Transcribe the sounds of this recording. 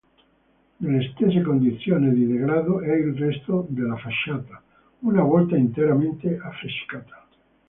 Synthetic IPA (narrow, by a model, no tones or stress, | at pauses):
d̪elest̪es̬ekond̪iθjoneðiðeɣɾaðoʔelrest̪od̪elafaʃat̪a | unaβwelt̪aint̪eɾamẽnt̪eafeskat̪ḁ